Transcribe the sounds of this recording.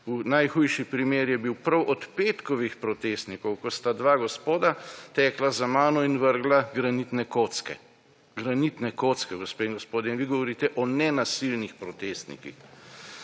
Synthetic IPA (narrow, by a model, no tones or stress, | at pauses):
unajxujʃipɾimeːɾjɛbiwpɾɐwʔɔt̪peːt̪kɔʋixpɾɔt̪eːst̪nikɔwkɔst̪ad̪ʋaːɡɔspoːd̪at̪ɛːklazamaːnɔinʋəɾɡlaɡɾanit̪nɛkot̪skɛ̰ | ɡɾanit̪nɛkot̪skɛɡɔspeiŋɡɔspoːd̪ɛinʋiɡɔʋɔɾiːt̪ɛʔɔnɛnasilnixpɾɔt̪eːst̪nḭkḭx